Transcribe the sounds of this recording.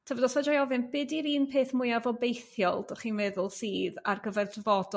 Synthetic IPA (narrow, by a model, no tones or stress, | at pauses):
tʰəvɔdɔsvɛd͡ʒɔjɔvɨnbɪdiɾiːnpʰeːθmʊjavɔbejθjɔlˠd̥ɔχiːnmɛðʊlˠsiːða̰rɡəvɛrdəvɔdɔ